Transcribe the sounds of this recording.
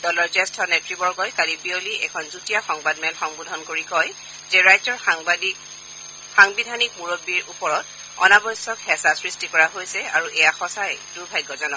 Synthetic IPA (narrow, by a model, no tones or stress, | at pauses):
dɔlɔɹzɛstʰɔnetɹibɔɹɡɔjkalibioliɛ̰kʰɔnzutijaxɔŋbadmɛlxɔŋbudʱɔnkoɹikɔj | zɛɹajzɔɹ | xaŋbidʱanik̚muɹobiɹupɔɹɔt | ɔ̰nabɔjsɔkhɛsasɹistikɔɹaɦojsɛa̰ɹuʔɛjaxɔsajd̥uɹbʱajɡːɔzɔnɔ